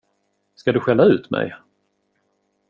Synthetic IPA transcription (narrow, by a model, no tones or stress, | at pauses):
skad̪ɵɧɛlːaʉ̟ːt̪mɛ̰j